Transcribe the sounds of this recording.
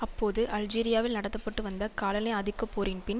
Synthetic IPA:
ɐpːoːðɯʔɐld͡ʒiːɾɪjaːʋɪlnɐɽɐt̪ːɐpːɐʈːɯʋɐnd̪ɐkaːlɐnɐːɐðɪkːɐpːoːɾinpɪn

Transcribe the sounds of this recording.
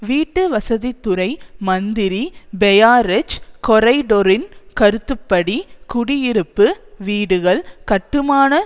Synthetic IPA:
ʋiːʈːɯʋɐsɐðit̪ːʊɾɐɪmɐnd̪ɪɾibɛjaːɾɛt͡ʃkɔɾɐɪɖoɾɪnkɐɾɯt̪ːɯpːɐɽikʊɽɪjɪɾɯpːɯʋiːɽɯɣɐɭkɐʈːɯmaːnɐ

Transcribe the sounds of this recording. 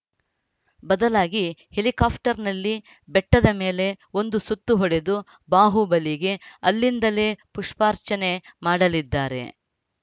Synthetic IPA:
bɐd̪ɐlaːɡihe̞likaːpʰʈɐɾnɐlːi | bɛʈːɐd̪ɐme̞ːle̞o̞nd̪usut̪ːuɦɔɽe̞d̪u | baːɦubɐliɡe̞ɐlːind̪ɐle̞ːpuʂpaːɾt͡ʃɐne̞maːɽɐlid̪ːaːɾe̞̰

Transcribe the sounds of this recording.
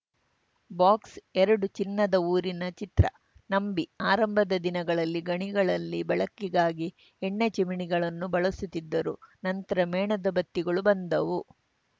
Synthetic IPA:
baːksɛɾɐɽut͡ʃinːɐd̪ɐuːɾinɐt͡ʃit̪ɾɐ̰ | nɐmbiaːɾɐmbʱɐd̪ɐd̪inɐɡɐɭɐlːiɡɐɳiɡɐɭɐlːibɐɭɐkːiɡaːɡi | eɳːet͡ʃemiɳiɡɐɭɐnːubɐɭɐsut̪id̪ːɐɾunɐnt̪ɐɾɐmɛːɳɐd̪ɐbɐt̪ːiɡɐɭubɐnd̪ɐʋu

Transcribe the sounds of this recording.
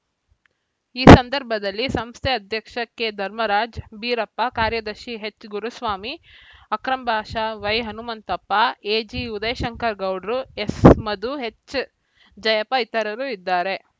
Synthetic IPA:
iːsɐnd̪ɐɾbʱɐd̪ɐlːisɐmst̪ʰeɐd̪ʱjɐkʂɐkːed̪ʱɐɾmɐɾaːd͡ʒbiːɾɐpːɐkaːɾjɐd̪ɐɾʃiɦet͡ʃːɡuɾusʋaːmiɐkɾɐmbʱaːʃaʋɐjɦɐnumɐnt̪ɐpːɐeːd͡ʒiud̪ɐjɐʃɐŋkɐɾɡɐwɖɾuesmɐd̪uɦet͡ʃː | d͡ʒɐjɐpɐit̪ɐɾɐɾuːid̪ːaːɾe̞

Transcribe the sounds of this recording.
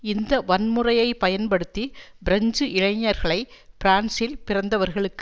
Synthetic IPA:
ɪnd̪ɐʋɐnmɯrɐjɐɪpɐjɐnpɐɽɯt̪ːibɪɾɐɲd͡ʒɯʔɪɻɐɪɲːɐɾɣɐɭɐɪpɪɾaːnsɪlpɪrɐnd̪ɐʋɐɾɣɐɭɯkː

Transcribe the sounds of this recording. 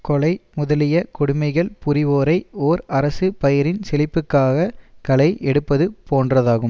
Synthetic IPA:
kɔlɐɪmʊðɐlɪjɐkʊɽʊmɐɪɣɐɭpʊɾɪʋoːɾɐɪoːɾɐɾɐsɯpɐjɪɾɪnsɛlɪpːɯkːaːɣɐkɐlɐɪʔɛɽɯpːɐðɯpoːndrɐðaːɣɯm

